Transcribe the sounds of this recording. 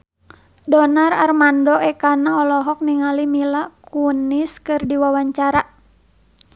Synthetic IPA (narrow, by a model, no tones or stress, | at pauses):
dɔnararmandɔɛkanaɔlɔɦɔk̚niŋalimilakuniskɨrdiwawaɲt͡ʃaɾa